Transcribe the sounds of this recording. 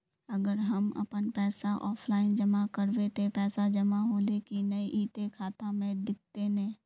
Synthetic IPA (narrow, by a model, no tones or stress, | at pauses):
ɐɡəɾɦɐmɐ̰pənpɛːsaʔɔːpʰlaːɪnd͡ʒəmakəɾwet̪ʰepɛːsad͡ʒəmaɦoːlekinɐiʔiːt̪ekʰaːt̪amẽd̪ɪk̚ʰt̪enɛ̃ː